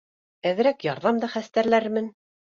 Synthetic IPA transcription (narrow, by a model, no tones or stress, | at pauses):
æðɘ̆ɾækjɑɾðɑmd̪ɑχæst̪æɾlæɾmɘn